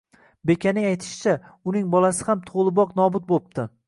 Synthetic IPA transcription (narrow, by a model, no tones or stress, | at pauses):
be̞kʲʰanɪŋajt̪ʰɪ̥ʃɪt͡ʃʰaʊnɪŋbɒlˠasɪ̥hamt̪ʰolˠɪbɒqn̪ɒbʊt̪̚bop̚t̪ʰɪ